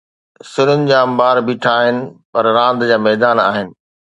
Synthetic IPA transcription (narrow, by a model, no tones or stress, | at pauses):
sɪnʊnɪ̆d͡ʑãːɐmbaːɾbiʈʰaːɦɪnɪ̆pɐɾɾãːnd̪d͡ʑaːmɛːd̪aːnaːɦɪnɪ̆